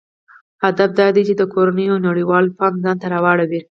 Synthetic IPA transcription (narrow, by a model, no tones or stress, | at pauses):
had̪afd̪ɑd̪et͡ʃed̪əkoɾanəjonaɽiwɑlpɑnzɑnt̪aɾɑwɑɽawi